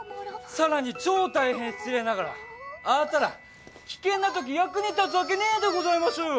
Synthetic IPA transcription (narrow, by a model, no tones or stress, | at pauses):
saɾaɲ̟it͡ɕo̞ːt̪aihẽ̞ɰ̥̃t͡sɨɾe̞naɣaɾa̰at̪aɾa̰ | kʲi̥kẽ̞nːat̪o̞k̬ʲijakɯ̟ɲ̟it̪at͡sɨak̬e̞nead̪e̞ɡo̞zaimaɕo